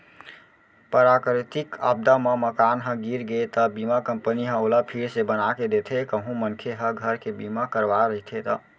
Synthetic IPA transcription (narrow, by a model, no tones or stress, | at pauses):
pəɾakɾit̪ika̰b̚d̪ameməkanɦə̃ɡiɾɡet̪əbimakəmpəniɦə̃oləpʰiɾsebənaked̪et̪ʰekəɦũmənkʰeɦəɡʱəɾkebimakəɾʋaɾəɦit̪ʰet̪ə